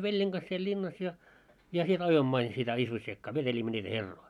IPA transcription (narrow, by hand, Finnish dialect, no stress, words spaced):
ʋelʲjeŋ ɡ̊ɑs siel lʲinːɑs jɑ jɑ siel ɑjoimːŏ ɑin sitæ isʋosːiekːɑː ʋetelʲimːø nʲiːtæ herːoi